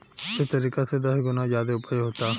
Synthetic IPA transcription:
ɪst̪əɾiːkased̪ɐsɡʊnazjaːd̪eʊpəɦoːt̪aː

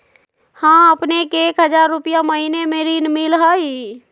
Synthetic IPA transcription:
hãəpnekekɦəd͡ʒaɾːupijaməɦinemeɾinmilɦəj

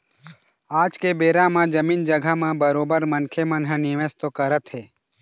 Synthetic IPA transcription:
aːd͡ʒkebeːɾãmãd͡ʒəmiːnd͡ʒəɡʱamãbəɾoːbəɾmənkʰemənɦənɪʋest̪okəɾət̪ɦeː

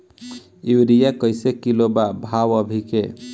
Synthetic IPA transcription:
iwɾijakəɪsekilobabʱawəbʱikḛ

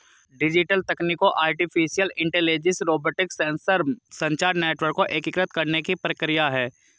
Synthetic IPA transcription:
ɖɪd͡ʒɪʈəlt̪ɐkniːkoʔaːɾʈipʰisijəlɪ̃ɳʈeːleːd͡ʒɪ̃sɾoːboːʈɪksẽnsəɾsɐ̃ɲt͡ʃaːɾneːʈʋəɾkːoʔeːkɪkɾət̪kɐɾnekipɾəkɾɪjaɦɛː

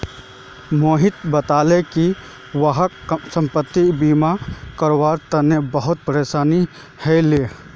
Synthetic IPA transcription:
moːɦɪt̪bət̪aːleki | wəɦəksə̃mpət̪ːibiːmakəɾwaːɾt̪ənebəɦʊt̪̚pəɾeːʃaːni | hɛleː

